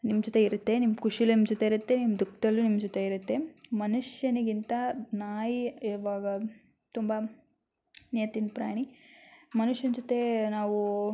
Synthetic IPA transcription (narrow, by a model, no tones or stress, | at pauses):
nimd͡ʒot̪eiɾut̪ːe̞nimkuʂilɐimd͡ʒɔt̪e̞iɾut̪ːe̞nimd̪ukd̪ɐlːunimd͡ʒɔt̪e̞iɾut̪ːe̞mɐnuʂjɐniɡint̪ɐnaːjiːʋaːɡɐ | t̪umbɐ | nijɐt̪inpɾa̰ːɳ̃imɐnuʂjɐnd͡ʒɔt̪e̞naːʋu